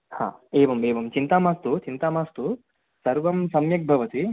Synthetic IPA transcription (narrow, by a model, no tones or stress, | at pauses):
ha̰ːeːʋɐmeːʋɐmt͡ʃint̪aːmaːst̪ut͡ʃint̪aːmaːst̪u | sɐɾʋɐmsɐmjɐk̚bʱɐʋɐt̪i